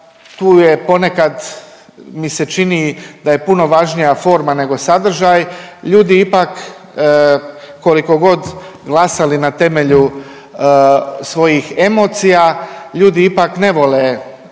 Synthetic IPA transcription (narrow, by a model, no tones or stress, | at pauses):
t̪uːje̞po̞ne̞kad̪ | mise̞t͡ʃinid̪aje̞puno̞ʋaʒnijafo̞ːɾmane̞ɡo̞sad̪r̩ʒajʎuːd̪iipakː | o̞liko̞ɡo̞d̪ɡlˠasalinat̪e̞me̞ʎu | sʋo̞jixe̞mo̞ːt̪sijaʎuːd̪iipakne̞ʋo̞le